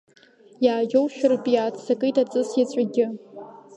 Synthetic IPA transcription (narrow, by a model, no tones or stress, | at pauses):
jaːʒʲowʃᶣʊrpʼijaːtʰsakʼɨjtat͡sʼɨsjat͡ɕʷʼaɡʲɪ